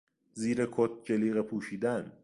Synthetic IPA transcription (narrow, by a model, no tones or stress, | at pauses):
ziːɾekʰot̪̚d͡ʒeliːɣepʰuːʃiːd̪æn